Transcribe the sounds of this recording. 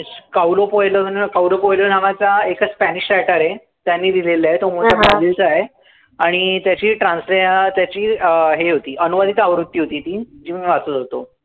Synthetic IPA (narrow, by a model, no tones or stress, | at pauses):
kawlopojlənkawlopojlənaʋat͡saekaspæniɕʈɛʈəɾɦe | t̪janːiːd̪ileliaɦet̪om̤otapad͡ʑilt͡səaɦe | aɽ̃it̪jat͡ɕiːʈɾãnsleat̪jat͡ɕiːɦeɦot̪iːʔənuʋad̪ʱit̪aʋɾut̪ːiːɦot̪iːt̪iːd͡ʑiːmiʋat͡sət̪ɦot̪o